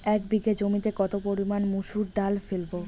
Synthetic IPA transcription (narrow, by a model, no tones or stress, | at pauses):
ɛk̚biɡed͡ʑomit̪ekɔt̪opoɾimanmuʃuɾɖalfelbo